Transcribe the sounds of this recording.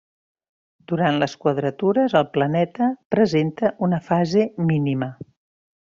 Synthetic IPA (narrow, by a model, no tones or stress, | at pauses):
d̪̥uɾant̪ləskwəðɾət̪uɾəzəlˠplənɛt̪əpɾəzent̪əʔunəfazeminimə